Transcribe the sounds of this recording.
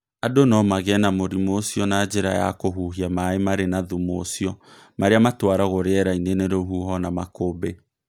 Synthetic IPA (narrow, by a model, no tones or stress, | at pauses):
adonɔmaɣɛnamoɾimosiɔnad͡ʒeɾajakoɦuɦiamaemaɾenaðumoːsiɔ | maɾeamatwaɾaɣoɾeɛɾaineneɾoɦuɦɔnamakobe